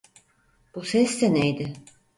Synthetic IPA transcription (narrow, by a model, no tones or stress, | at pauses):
b̥usɛst̪ʰenejd̪ɪ